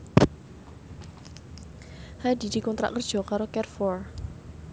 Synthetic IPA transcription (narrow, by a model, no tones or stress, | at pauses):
had̪i̤d̪̥i̤kɔnt̪ɾa̰ʔkərd̥ʒ̥ɔ̤kaɾokɛrfɔr